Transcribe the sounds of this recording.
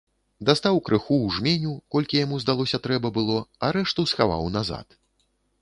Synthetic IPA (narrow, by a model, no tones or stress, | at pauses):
d̪ast̪awkɾɨxuwʐmʲenʲukɔlʲkʲijamuzd̪alˠɔsʲɐt̪ɾɛbɐbɨlˠɔɐɾɛʂt̪usxava̰wnaza̰t̪